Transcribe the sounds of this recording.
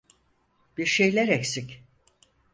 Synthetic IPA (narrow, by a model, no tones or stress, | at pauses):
b̥iɾʃejlʲɛɾeksic